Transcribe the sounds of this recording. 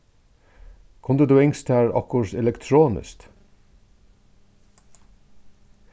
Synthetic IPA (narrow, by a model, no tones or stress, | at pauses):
kʰʊnd̪əd̪ʉːɪŋst̪ʰæːɹɑ̰kʊɾtɛlɛkt̪ʰɾoːnɪ̰st̪